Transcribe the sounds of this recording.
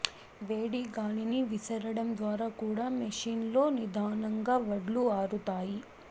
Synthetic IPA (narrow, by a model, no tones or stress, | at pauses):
ʋeːɽiːɡaːliniʋisɐɾɐɽɐmd̪ʋaːɾaːkuːɽaːmɐʂiːnlo̞ːnid̪ʱaːnɐŋɡaːʋɐɽluaːɾut̪aːji